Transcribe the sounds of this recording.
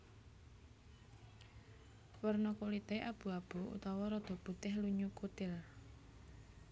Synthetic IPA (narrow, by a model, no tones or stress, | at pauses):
wərnɔkulit̪eʔab̥ṳab̥uṵt̪ɔwɔɾɔd̪̥ɔ̤b̥ṳt̪ɪhluɲukut̪ɪl